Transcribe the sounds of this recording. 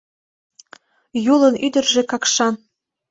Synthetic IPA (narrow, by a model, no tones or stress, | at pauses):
julənyd̪ə̆rʒĕkɑkʃɑn